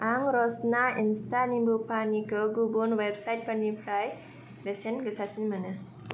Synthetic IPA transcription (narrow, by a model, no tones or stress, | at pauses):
aŋɾɔsnainstanimbupanikɯɡubonwebsajʈ̚pənːipʰɾaj | besenɡəsasinmanɯ